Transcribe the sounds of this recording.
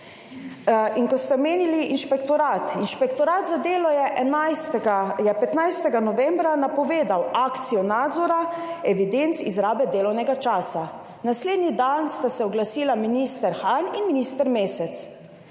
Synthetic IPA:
iŋkɔt̪st̪ɛɔmeːniliʔinʃpɛkt̪ɔɾaːt̪inʃpɛkt̪ɔɾaːt̪zad̪eːlɔjɛʔɛnast̪ɛɡajɛpɛt̪najst̪ɛɡanɔʋɛmbɾanapɔʋeːd̪awaːkt̪sijɔnaːd̪zɔɾa | ɛʋid̪ent̪sizɾaːbɛd̪eːlɔwnɛɡat͡ʃaːsa | nasleːd̪nid̪anst̪asɛɔɡlasiːlaminiːst̪ɛɾxaninminist̪ɛɾmeːsɛt̪s

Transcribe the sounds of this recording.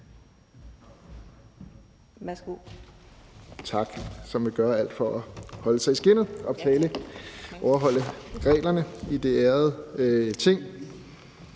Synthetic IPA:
mæsɡ̥u | t͡sʰɑ̈ɡ̥sɒ̽mʋeɡ̥ɶːɐæl̰d̥fɒ̽ʔɒhɒ̽ləsɑ̈ɪsɡ̥e̝n̰ð̩ˠʔɒ̽b̥t͡sʰɛːləʔɒʊɐɦɒ̽l̰əʁɛ̰ːlɐnəid̥e̝æːɐð̩ˠt͡sʰe̝ŋ̰

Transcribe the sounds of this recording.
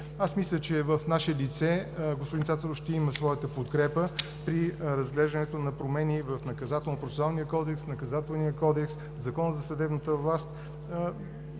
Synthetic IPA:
asmislʲət͡ʃɛvəfnaʃɛlit̪sɛɡospʊdinsat̪əɾofʃt̪ɛiməsvɔjət̪əpot̪kɾɛpə | pɾiɾɐzɡlɛʒd̪ənɛt̪onɐpɾomɛnivəfnɐkɐzat̪ɛlˠnpɾosalˠnijəkɔd̪ɛksnɐkɐzat̪ɛlˠniəkɔd̪ɛks | zɐkɔnəzɐsəd̪ɛbnət̪əvlˠast̪

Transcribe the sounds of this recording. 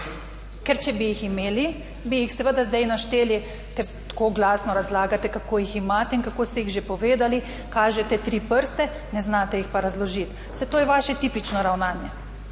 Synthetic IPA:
kɛɾt͡ʃɛbijiximeːli | bijixsɛʋəd̪azd̪ajnaʃt̪eːli | kɛɾst̪koːɡlaːsnɔɾazlaːɡat̪ɛkakoːjiximaːt̪ɛinkakoːst̪ɛjiɣʒepɔʋeːd̪ali | kaːʒɛt̪ɛt̪ɾiːpəɾst̪ɛ | nɛznaːt̪ɛjixpaɾazlɔʒit̪ | sɛt̪oːjɛʋaːʃɛt̪iːpit͡ʃnɔɾawnaːnjɛ

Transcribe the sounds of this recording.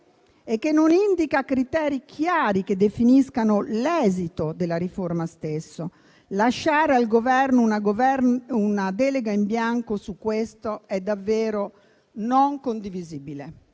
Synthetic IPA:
ekːenːonind̪ikakɾit̪ɛːɾikʰjaːɾiked̪efiniskanolɛːzit̪od̪elaɾiformast̪esːo | laʃːaːɾealɡovɛrnonaɡvɛunad̪ɛleɡaimbjaŋkosukːwest̪oɛd̪ːavːɛːɾo | noŋkond̪iviziːbile

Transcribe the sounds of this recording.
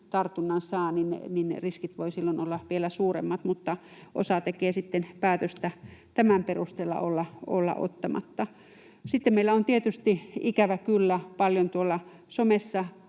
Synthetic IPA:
t̪ɑrt̪unːɑnsɑːninḛninḛriskit̪ʋoisilːonolːɑʋielæsuːrḛmːɑt̪mut̪ːɑ | ʔo̰sɑt̪ekeːsit̪ːenpæːt̪øst̪æt̪æmæmperust̪eːlːɑ̰olːɑo̰lːɑ̰ʔo̰t̪ːɑmɑ̰t̪ːɑ | sit̪ːemmeilæont̪iet̪yst̪iikæʋækylːæpɑljont̪uolːɑ | somesːɑ

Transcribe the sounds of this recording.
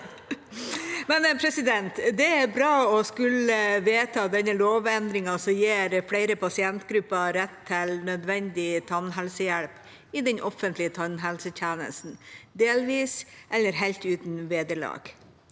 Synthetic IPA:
mɛnpʰɾɛsɪd̪ɛnt̪d̪ɛæɾbɾɑːɔskʉləʋeːt̪ʰɑːd̪ɛnːəloːʋɛnd̪ɾɪŋɑsɔjeːɾfɽæɪɾəpʰɑsɪɛnt̪ɡɾʉpːɑɾɛt̪ʰːɪlnœd̪ʋɛnd̪ɪt̪ʰɑnɦɛlsəjæɭp | ɪd̪ɛnʔɔfːənt̪lɪət̪ʰɑnɦɛlsəçæːnə̰st̪n̩d̪eːlʋiːsʔɛlːəɾɦælt̪ʉːt̪n̩ʋeːd̪əɭɑ̰ːɡ̥

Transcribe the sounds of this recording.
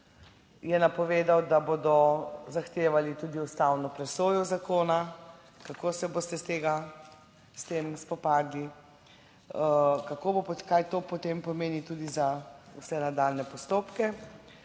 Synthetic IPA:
jɛnapɔʋeːd̪awd̪aboːd̪ɔzaxt̪eːʋalit̪uːd̪iust̪awnɔpɾɛsoːjɔzakoːna | kakoːsɛbost̪ɛst̪eːɡa | st̪emspɔpaːd̪li | kakobopkajt̪oːpɔt̪empɔmeːnit̪uːd̪izausɛnad̪aːlnɛpɔst̪oːpkɛ

